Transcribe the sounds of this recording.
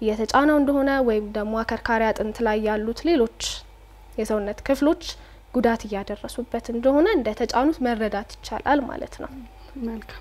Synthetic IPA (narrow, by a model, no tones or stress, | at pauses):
jɛt̪ʰət͡ʃʼanəwɨnd̪əho̞nəwɔjɪmd̪əmːoakʰəɾkʰaɾjat̪ʼɨnt̪lajːalːut̪le̞lo̞t͡ʃː | jɛsəwnːət̪kʰɨflo̞t͡ʃː | ɡ̥ud̪at̪ɨjːad̪ərːəsubːət̪ɨnd̪əho̞nəɨnd̪ət̪ʰət͡ʃʼanut̪mərːəd̪at̪jɪ̥t͡ʃːa̰lʔa̰lma̰lə̰t̪nə̰w | məlkʰam